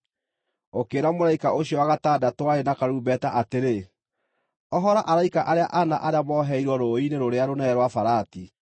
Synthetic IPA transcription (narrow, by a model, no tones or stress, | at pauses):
okeːɾamoɾaikaʔoɕiɔaɣataːdatwaenakaɾuːbɛtaʔateɾe | ɔɦɔɾaʔaɾaikaʔaɾeaʔana̰ʔaɾeamɔːɦɛiɾwɔɾoineɾoɾeaɾonɛɾwafaɾaːti